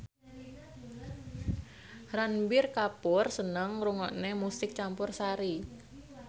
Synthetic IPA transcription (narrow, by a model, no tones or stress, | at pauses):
ranbɪrkapʊrsənəŋruŋɔ̰ʔnemusɪk̚t͡ʃampʊrsaɾi